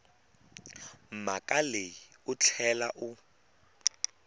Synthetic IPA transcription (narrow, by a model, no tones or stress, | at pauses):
m̩makʼaleiʊt͡ɬʰɛlaʔʊ